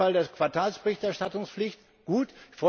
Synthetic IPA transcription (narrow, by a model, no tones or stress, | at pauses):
aldeːɐkv̥aɐtʰaːlsb̥əʁɪçtɛɐʃtatʊŋsflɪçt | ɡ̥uːtfʁ̥ɔ